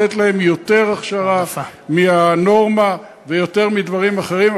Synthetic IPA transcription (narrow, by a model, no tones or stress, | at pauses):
et̪lahe̞mjo̞t̪e̞ʁaχʃaʁamiano̞ʁma | vejo̞t̪e̞ʁmid̪vaʁimaχe̞ʁim